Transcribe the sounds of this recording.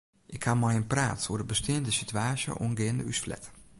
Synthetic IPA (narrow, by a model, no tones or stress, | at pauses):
ʔɪkhamɔjənpra̰ːtsoːdəbəstʰeːəndəsityaːsjə̰ʔonɡeːəndəysflɛ̰t